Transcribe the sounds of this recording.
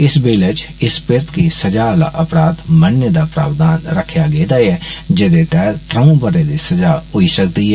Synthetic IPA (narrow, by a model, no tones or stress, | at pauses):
ɪsbeːlət͡ʃɪspɪɾt̪kiːsəd͡ʒaːla̰ːʔəpɾaːt̪mənːəd̪aːpɾa̰ːʋd̪aːnɾəkʰːjaːɡed̪aːɛːd͡ʒed̪eːt̪ɛːɾt̪ɾəũbəɾeːd̪iːsəd͡ʒaːɦʊiːsəkd̪iːɦɛː